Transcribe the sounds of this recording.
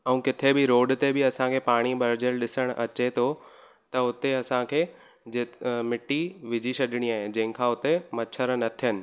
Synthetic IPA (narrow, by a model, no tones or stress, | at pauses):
ɐũːkɪt̪ʰebɪɾoːɖt̪ebɪɐsãkʰeːpaːɽ̃ibɐɾd͡ʑəlɗɪsəɽ̃ʔɐt͡ɕet̪ʰo | t̪ɐʊt̪eɐsãkʰeː | d͡ʑemɪʈiʋɪd͡ʑʱisɐɗɪɽ̃iaːɦẽd͡ʑɐ̃ɦɪ̃kʰãʊt̪emɐt͡ɕʰəɾnɐt̪ʰijənɪ̆